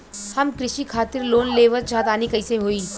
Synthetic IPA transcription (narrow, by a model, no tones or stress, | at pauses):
hɐmkɾɪʃiːkʰaːt̪iɾloːnleːʋət͡ʃʰat̪aːnikəɪsẽɦoːiː